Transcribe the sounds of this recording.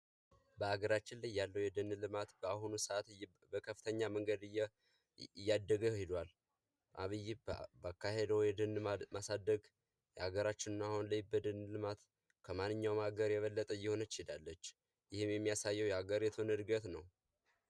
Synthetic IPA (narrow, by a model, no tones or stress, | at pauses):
bəaɡəɾat͡ʃːɪnlajːalːəwjɛd̪ɨnːlɨmat̪bəahunusəat̪ | bəkʰəfːɨ̥t̪ʰəɲːaməŋɡəd̪ɨjɛ | jːad̪ːəɡəhɪd̪wal | ʔaβɨjːibakːahed̪əwjɛd̪ɨnmasad̪ːəɡ | jɛhaɡəɾat͡ʃːɪnɨnahunləjbəd̪ɨnlɨmat̪ | kʰəmanːɨɲːawmhaɡəɾjɛβəlːət̪ʼəjːɛho̞nət͡ʃɪd̪alːət͡ʃː | jɪhɨmjɛmːijasajːɛwjɛaɡəɾjɛt̪ʰonɨd̪ɡət̪nəw